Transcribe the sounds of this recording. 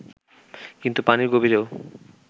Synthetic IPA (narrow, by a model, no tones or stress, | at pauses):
kint̪upaniɾɡobiɾeo